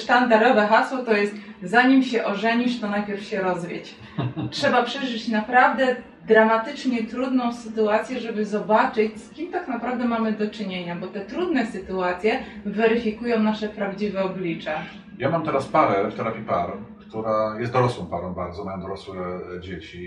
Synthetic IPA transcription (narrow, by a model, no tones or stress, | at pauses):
ʂt̪and̪aɾɔvɛxaswɔt̪ɔjɛst̪zaɲimɕɛʔɔʐɛɲiʂt̪ɔnajpʲjɛɾfɕɛɾɔzvʲjet͡ɕ | tʂɛbapʂɛʐɘt͡ɕnapɾavd̪ɛ | d̪ɾamat̪ɘt͡ʂɲɛt̪ɾud̪nɔ̃w̃sɘt̪uat̪sʲjɛʐɛbɘzɔbat͡ʂɘt͡ɕskʲimt̪aknapɾavd̪ɛmamɘd̪ɔt͡ʂɘɲeɲabɔt̪ɛt̪ɾud̪nɛsɘt̪uat̪sʲjɛvɛɾɘfʲikujɔ̃w̃naʂɛpɾavd͡ʑivɛɔblʲit͡ʂɛ | jamamt̪ɛɾaspaɾɛft̪ɔɾavʲipaɾkt̪uɾajɛst̪d̪ɔɾɔswɔ̃w̃paɾɔ̃w̃baɾdzɔmajɔ̃d̪ɔɾɔswɛd͡ʑet͡ɕi